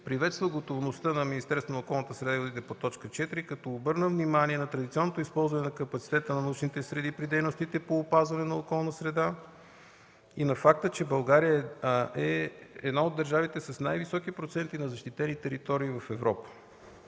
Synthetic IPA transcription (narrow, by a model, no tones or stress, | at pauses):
pɾivɛt̪st̪vəɡot̪ovnost̪ənɐminist̪ɛɾst̪vonəokɔlˠnət̪əsɾɛd̪aivod̪it̪ɛpot̪ɔt͡ʃkət͡ʃɛt̪iɾikɐt̪ɔobɤɾnəvnimaniɛnɐt̪ɾɐd̪it̪ʲiɔnːot̪oispɔlˠzvɐnɛnɐkəpɐt̪si̥t̪ɛt̪ənɐnɐut͡ʃnit̪ɛsɾɛd̪ipɾid̪ɛjnost̪it̪ɛpoːpazvɐnɛnɐokɔlˠnəsɾɛd̪a | inɐfak̚t̪ət͡ʃɛbɐlˠɡaɾijəɛɛd̪naod̪ːəɾʒavit̪ɛsəsnajvisɔkipɾot̪sɛnt̪inɐzɐʃt̪it̪ɛnit̪ɛɾit̪ɔɾiːvɐfɛvɾɔpə̥